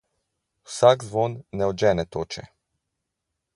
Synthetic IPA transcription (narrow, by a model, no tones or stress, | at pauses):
u̥sakzʋonːɛod͡ʒɛnɛt̪ot͡ʃɛ̰